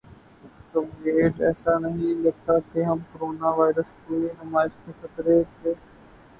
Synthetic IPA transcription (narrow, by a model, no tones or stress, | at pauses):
t̪omeeːd͡ʒɛ̰ːsanɐɦĩlɐɡ̚t̪akʰeɦɐmkoɾoːnaːʋaːɪɾəskoːinʊmaːɪʃt̪ekət̪ɾeːt̪ʰeː